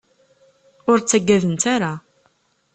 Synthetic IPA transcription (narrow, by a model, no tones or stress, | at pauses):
ʊɾt͡sːæɡːæðənt̪aɾa